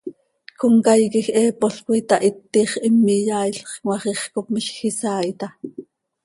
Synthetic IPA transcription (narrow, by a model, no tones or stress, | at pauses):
koŋkɑjkixʔɛːpoɬkit̪ɑʔit̪ːiːχʔɪmːijɑːjɬχkwɑχiχkopmiʃxisɑːjt̪ɑ